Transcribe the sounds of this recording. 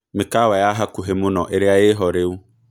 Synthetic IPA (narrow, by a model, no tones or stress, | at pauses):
mɪkawajaɦakʊɦemʊ̃nɔ̰̃ʔeɾɪajɪɦɔɾɪʊ